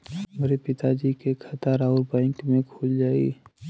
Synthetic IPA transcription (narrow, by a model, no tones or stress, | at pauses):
meɾepɪt̪ad͡ʒikekʰət̪aɾaːʊɾbãɪŋkmẽkʰoːld͡ʒaːḭ